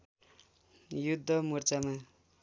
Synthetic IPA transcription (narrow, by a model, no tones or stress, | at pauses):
jud̪ʱːʌmurt͡sama